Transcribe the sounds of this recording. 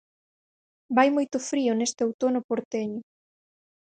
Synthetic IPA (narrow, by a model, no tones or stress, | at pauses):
bajmojt̪ʊfɾiʊnest̪ɪowt̪onʊpoɾt̪eɲʊ